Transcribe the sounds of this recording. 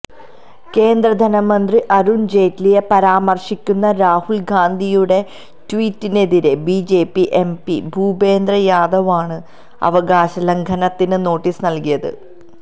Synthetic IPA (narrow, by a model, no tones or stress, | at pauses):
ke̞ːnd̪rɐd̪ʱɐnɐmɐnd̪riʔɐɾuɳd͡ʑe̞ːtlijɐpɐɾaːmɐrʂikʲːunːɐɾaːhulɡaːnd̪ʱijuɽe̞ | twiːtːine̞ðiɾe̞biːd͡ʑe̞ːpːiʔe̞mpḭbʱuːbe̞ːnd̪rɐjaːd̪ʱɐʋaːɳɨ | ɐ̰ʋɐɡaːɕɐlɐŋɡʱɐnɐt̪ːinɨno̞ːʈːisnɐlkijɐðɨ̰